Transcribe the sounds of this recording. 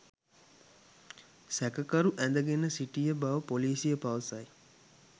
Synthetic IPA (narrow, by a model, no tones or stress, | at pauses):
sækəkɐɾuʔænd̪əɡenəsiʈijəbaʋəpoliːsijəpaʋəsɐj